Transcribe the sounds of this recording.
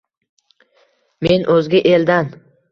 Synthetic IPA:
me̞nʔɵzɡʲɪʔeld̪an

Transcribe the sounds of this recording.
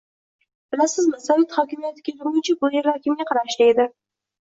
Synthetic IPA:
b̥ɪlasɪzmɪsɑlɪt̪hɒkʲɪmijat̪ʰɪɡʲat̪ʰʊɾmʊt͡ʃʰabʊjeɾɑkʲʰɪmʲaqʰɑɾaʃlɪed̪ɪ

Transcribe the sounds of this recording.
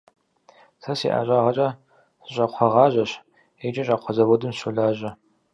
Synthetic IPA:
sʰɐsḭːʔa̰ɕʼaʁɐt͡ʃʼɐ | ɕʼɐqʷʰɐʁɑːʑɐɕ | et͡ʃʼɐɕʼaqʷʰɔzɐbodɨmɕuɮaːʑɐ

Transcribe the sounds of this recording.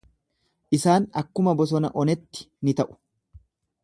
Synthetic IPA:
ʔɪsaːnɐkːʊmɐbɔs̬ɔnɐʔɔnɛt̪ːɪ̥ | nɪt̪ɐʔʊ̥

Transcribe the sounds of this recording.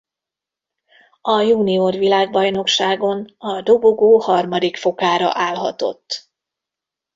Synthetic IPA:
ɒjuːniorʋilaːɡbɒjno̞kʃaːɡo̞nɒd̪o̞boɡoːhɒrmɒd̪ikfo̞kaːɾɒ̰ʔaːlɦɒ̰t̪o̞̰t̪ː

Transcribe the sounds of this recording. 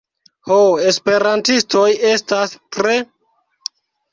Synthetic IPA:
hoe̞spe̞ɾantisto̞je̞stastɾe

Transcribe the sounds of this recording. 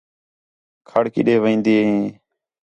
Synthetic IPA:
kʰəɽkɪ̰ɗeːʋẽːnd̪eːẽː

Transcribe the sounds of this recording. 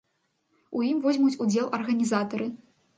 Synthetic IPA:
ujimvuzʲmut͡sʲud͡zʲɛlˠʔɐrɣɐnʲizat̪ɐɾɨ

